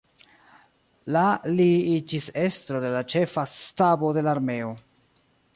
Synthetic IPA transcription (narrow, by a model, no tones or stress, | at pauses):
laliid͡ʒise̞st̪ɾo̞de̞lat͡ʃe̞fastabo̞de̞laɾme̞o̞